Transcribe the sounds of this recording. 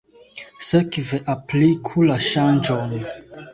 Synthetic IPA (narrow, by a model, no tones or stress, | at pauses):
sekveʔaplikʰulaʃand͡ʒon